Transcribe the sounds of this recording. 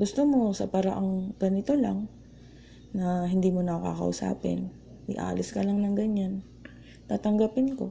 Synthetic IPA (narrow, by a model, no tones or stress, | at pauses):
ɡʊst̪omo̞sɐpaɾa̰ʔɐŋɡɐnɪt̪o̞laŋ | nɐɦɪnd̪iːmonɐka̰kɐ̰ʔʊ̰sa̰ːpɪ̰n | ʔɪʔa̰ːlɪskɐlaŋnɐŋɡɐɲːan | t̪aːt̪ɐŋɡapɪnko̞